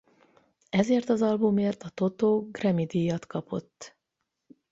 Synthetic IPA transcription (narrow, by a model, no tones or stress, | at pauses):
ɛzeːrt̪ɒzɒlbumeːrt̪ɒt̪o̞t̪oːɡrɛmid̪ijɒt̪kɒpʰo̞̰t̪ː